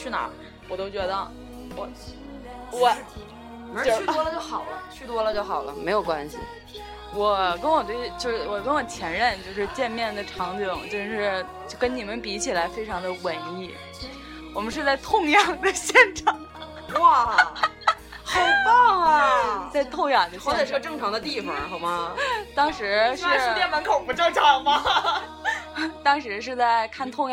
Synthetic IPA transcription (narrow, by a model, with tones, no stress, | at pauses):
t͡ɕʰy˥˩na̰˨˩˦ | wɔ˨˩t̪o˥ʊt͡ɕɥɛ˧˥d̪ə˧ | wɔ˨˩ | wɔ˧˥˩ | t̪wɔ˥lə˧t͡ɕjo˥˩ʊxɑ˨˩ʊlə˦t͡ɕʰy˥˧t̪wɔ˥lə˧t͡ɕjo˥˩ʊxɑ˨˩ʊlə̰˦me˧˥ɪjo˨˩ʊkwa̰˥nɕḭ˨ | wɔ˨˩kə˥nwɔ˨˩t̪we˥˧t͡ɕjo˥˧ʊʂ̩˥˩wɔ˨˩kə˥nwɔ˨˩t͡ɕʰjɛ˧˥nɻə˥˧nt͡ɕjo˥˧ʊʂɻ̩˥˧t͡ɕjɛ˥˧nmjɛ˥˩nd̪ə˩ʈ͡ʂʰɑ˧˥ŋt̪jʊ˧˩˦ŋt͡ɕjo˥˧nʂɻ̩˥˩ | t͡ɕo˥˧ʊkə˥nni˨˩mə˦npi˧˥t͡ɕʰi˨˩la˧˥ɪfe˥ɪʈ͡ʂʰɑ˧˥ŋd̪ə˧wə˨˩ni˥˩ | wɔ˨˩mə˦nʂ̬ɻ̩˥˧t͡sa˥˧ɪt̪ʰʊ˥˧ŋjɑ˥˩ŋd̪ə˩ɕjɛ˥˩nʈ͡ʂʰɑ˨˩˦ŋ | wa˥˩ | xɑ˧˨˩ʊpa˥˩ɐ˩t͡sa˥˧ɪt̪ʰo˥˩ʊja˨˩d̪ə˧˥ɕa˨˩˥ʈ͡ʂɤ˥˩ŋʈ͡ʂʰɑ˧˥ŋd̪ə˧t̪i˥˩fə̰˨˩xɑ˨˩mɐ˥t̪ɑ˥ŋʂɻ̩˧˥ʂɻ̩˥˧˥ljɛ˥˧nfa˧˥nkʰo˨˩pu˧˥t͡ɕjɑ˥˧ʊt͡ɕɑ˥˩mɐ˧ | t̪ɑ˥ŋʂɻ̩˧˥ʂɻ̩˥˧t͡sa˥˩ɪkʰa˥˩nt̪ʰʊ˥˧ŋ˥